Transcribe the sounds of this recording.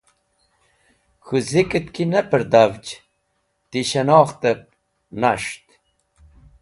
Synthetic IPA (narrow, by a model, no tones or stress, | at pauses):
xuzikət̪kʰinəpəɾd̪avt͡ʃ | t̪iɕɐnɑːχt̪əp̚ | naʂt̪